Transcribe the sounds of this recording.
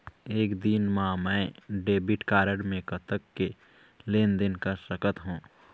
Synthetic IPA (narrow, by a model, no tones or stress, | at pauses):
eːkd̪iːnmãmɛ̃ːɖeːbɪʈkaːɾəɽmẽkət̪əkːe | leːnd̪ɪnkəɾsəkət̪ɦũː